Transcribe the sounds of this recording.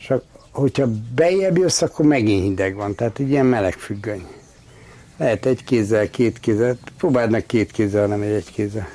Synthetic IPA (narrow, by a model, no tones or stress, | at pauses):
t͡ʃɒkhochɒbɛijɛbjøsːɒkːormɛɡinhind̪ɛɡʋɒnt̪ɛɦaːt̪ɛɟːijɛmmɛlɛkfyɡːøɲ | lɛɦɛt̪ɛɟkeːzɛlkeːt̪keːzɛlpɾoːbaːd̪nɛkkːeːt̪keːzːɛlnɛmɛɟɛɟkeːzːɛl